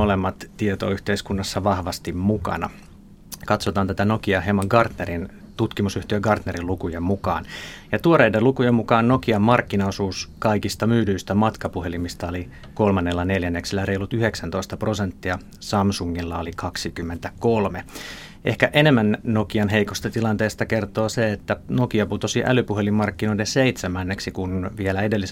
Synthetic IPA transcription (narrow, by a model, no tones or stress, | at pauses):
olemːɑt̪tiet̪o̰yht̪eiskunːɑsːɑʋɑhʋɑst̪immukɑ̰nɑ̰ | kɑt̪sot̪ɑːnt̪æt̪ænokiɑemɑŋɡɑrt̪neɾint̪ut̪kimusyht̪iøɡɑrt̪neɾilukujemmukɑ̰ːnjɑt̪uoɾeidelukujemukɑːnnokiɑmmɑrkːinɑosuːskɑikist̪ɑmyːdyist̪æmɑt̪kɑpuhelimist̪ɑoli | kolmɑnːelːɑneljænːeksilːæreilut̪yheksænt̪oist̪ɑprosent̪ːiɑ | sɑmsuŋːilːɑolikʰɑksikymːent̪ækolme | ʔehkæʔenemːænnokiɑnɦeikost̪ɑt̪ilɑnt̪eːst̪ɑkert̪oːseet̪ːænokiɑput̪osiʔæ̰lypuhelimːɑrkːinoilenseit̪semænːeksikunʋielæedelːi